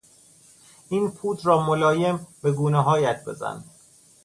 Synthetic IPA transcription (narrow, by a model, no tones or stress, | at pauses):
iːnpʰuːd̪ɾɒːmolɒːje̞mbe̞ɡuːneɦɒːjæt̪̚ʰbe̞̰zæ̰nd̪